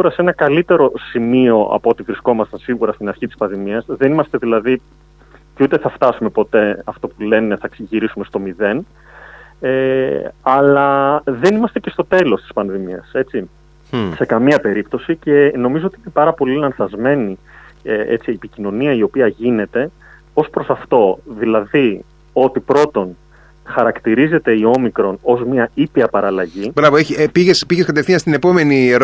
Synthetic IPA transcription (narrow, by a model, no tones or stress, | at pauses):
uɾɐsenɐkɐlit̪e̞ɾo̞simio̞ʔɐ̰poot̪ivɾisko̞mɐst̪ɐnsiɣuɾɐst̪inɐɾçit̪i̥spɐnðimiɐsðenimɐst̪e̞ðilɐði | ceut̪e̞θɐft̪ɐsume̞po̞t̪e̞ɐft̪o̞pule̞ne̞θɐksiʝiɾisume̞st̪o̞miðe̞n | eɐlɐðe̞nimɐst̪ece̞st̪o̞t̪e̞lo̞st̪i̥spɐnðimiɐ̰se̞t͡si | se̞kɐmiɐpe̞ɾipt̪o̞sice̞no̞mizo̞ot̪iinepɐɾɐpo̞linɐnθɐzme̞ni | e̞̰t͡siepicino̞niɐio̞piɐʝine̞t̪e̞ | o̞spɾo̞sɐft̪o̞ðilɐði | o̞t̪ipɾo̞t̪o̞n | xɐɾɐkt̪iɾize̞t̪e̞io̞mikɾo̞no̞zmiɐipiɐpɐɾɐlɐʝibɾɐvoeçipiʝespiʝeskɐt̪efθinɐst̪inepo̞me̞niɾ